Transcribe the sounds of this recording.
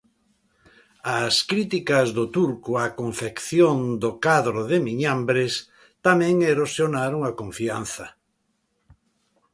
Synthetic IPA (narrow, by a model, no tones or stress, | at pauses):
askɾit̪ikɐzðʊt̪uɾkʊakoɱfekθjoŋd̪okaðɾoðɪmiɲambɾes | t̪amɛ̃ŋeɾosjonaɾoŋakoɱfianθɐ